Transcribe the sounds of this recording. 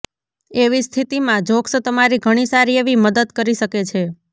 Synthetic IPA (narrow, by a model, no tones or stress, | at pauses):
eʋist̪ʰit̪imãd͡ʒoksət̪əmaɾiɡʱəɽ̃isaɾieʋiməd̪əd̪kəɾiʃəket͡ʃʰe